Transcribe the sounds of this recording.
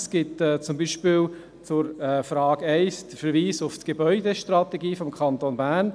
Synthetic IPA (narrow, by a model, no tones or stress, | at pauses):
sɡ̥ɪtɛːt͡sʊmbiːʃpɪːl | t͡sʊɾɛfɾɑːɡ̥ɛɪsd̥̪əfəɾʋiːsʊftɡ̥ebœʏdeʃtɾrɑt̪eɡiːfɔmkʰχɑnt̪onbæːɾn